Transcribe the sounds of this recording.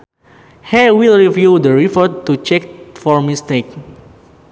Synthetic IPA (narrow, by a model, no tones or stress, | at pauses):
hɛwilɹivjudəɹipɔtːut͡ʃɛk̚fɔɹmist̪ek̚